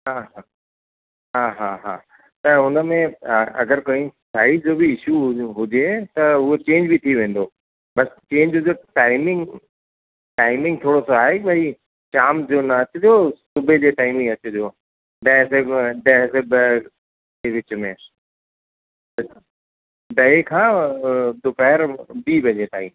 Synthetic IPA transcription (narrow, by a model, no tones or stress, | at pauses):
ɦaːɦa | ɦaːɦaːɦa̰ː | t̪ɐʊnəmẽɐ̰ɡəɾkoɦĩsaːɪsd͡ʑoːbiɪʃuɦʊd͡ʑet̪ɐʊet͡ɕẽːɲd͡ʑbit̪ʰiʋẽːn̆d̪oː | bɐst͡ɕẽːɲd͡ʑʊd͡ʑeʈaːɪmɪ̃ŋɡ | ʈaːɪmɪ̃ŋɡ̚t̪ʰoːɽosoaːɦeɓɐɦi | t͡ɕaːmd͡ʑoːnɐɐt͡ɕʊd͡ʑoːsʊbʱed͡ʑeːʈaːɪmɪ̃ŋɡɐt͡ɕʊd͡ʑoː | ɖɐ̃ɪ̃seɖɐ̃ɦseb | d͡ʑeːʋɪt͡ɕʊ̆mẽ | ɖɐekʰãː | d̪ʊpɛɦɪɾbibʱɐ̃d͡ʑet̪aːĩː